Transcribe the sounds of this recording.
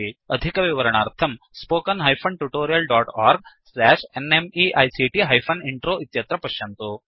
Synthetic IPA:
iɐd̪ʱikɐʋiʋɐɾɐɳaːɾt̪ʰɐm | spoːkɐnɦɐjpʰɐɳʈuʈoːɾijɐlɖaːʈaːɾɡ̚slɛːʂenemiʔɐjsiʈiɦɐjpʰɐniɳʈɾoːʔit̪jɐt̪ɾɐpɐʃjɐnt̪u

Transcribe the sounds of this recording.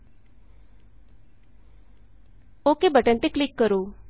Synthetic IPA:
oːkebʱəʈə̃nt̪eklɪkːəɾoː

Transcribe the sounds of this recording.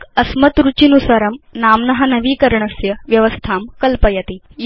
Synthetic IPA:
kɐsmɐt̪ɾut͡ɕinusɐɾɐmnaːmnɐɦɐnɐʋiːkɐɾɳɐsjɐʋjɐʋɐst̪ʰaːmkɐlpɐjɐt̪i | j

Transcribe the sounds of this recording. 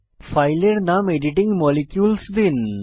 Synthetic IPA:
fɐjleɾnameɖiʈiŋɡmɔlikjuːlsd̪in

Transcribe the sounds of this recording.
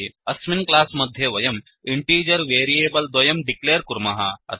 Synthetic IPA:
ɐsminklaːsmɐd̪ʱjɐʋɐjɐm | iɳʈiːd͡ʒɐɾʋeːɾieːbɐld̪ɐjɐmɖikleːɾkuɾmɐɦɐ̰ɐ̰

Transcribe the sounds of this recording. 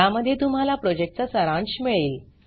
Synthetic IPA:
aməd̪ʱjet̪um̤alapɾɔd͡ʑek̚ʈ̚t͡sasəɾãɳɕmiɭiːl

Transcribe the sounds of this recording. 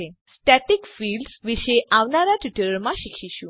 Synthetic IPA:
est̪ɛt̪ikfilɖsʋiɕeʔaʋnaɾjaʈiʈəɾəɾmaɕikɕiɕũ

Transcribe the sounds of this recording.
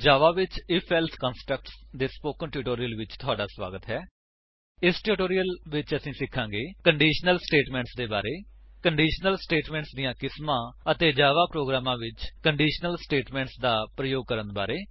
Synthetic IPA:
d͡ʒaːʋaːʋɪt͡ʃɪpʰɛːlt̪ʰkaːnsʈɾək̚ʈsd̪eːspoːkənʈɪːʈoːɾijəlʋɪt͡ʃt̪ʰʊaːɖaːsʋa̰ːɡət̪ɦɛː | ɪsʈɪʈoːɾijəlʋɪt͡ʃəsĩːsɪkʰːãːɡeːkəɳɖiːʃnəlsʈeːʈmɛ̃ːɳʈsd̪eːbaːɾeːkəɳɖiːʃnəlsʈeːʈmɛ̃ːɳʈsd̪ijãːkɪsmãːət̪eːd͡ʒaːʋaːpɾoːɡɾaːmãːʋɪt͡ʃkəɳɖiːʃnəlsʈeːʈmɛ̃ːɳʈsd̪aːpɾəjoːɡ̚kəɾənbaːɾeː

